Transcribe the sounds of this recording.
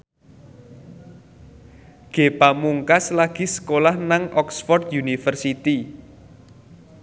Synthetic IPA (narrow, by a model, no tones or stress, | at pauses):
ɡ̥e̤pamuŋkaslaɡ̥i̤sə̥kolahnaŋʔɔksfɔrt̪junifərsit̪i